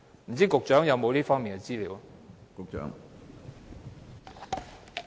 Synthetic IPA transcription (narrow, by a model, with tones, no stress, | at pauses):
m̩˨˩t͡siː˥kʊ˨k̚t͡ʃœː˨˥ŋjɐ˨˧wmo˨˧wliː˥fɔː˥ŋmiː˨˩nɡə˧t͡siː˥liː˨˧wkʊ˨k̚t͡ʃœ̰ː˨˥ŋ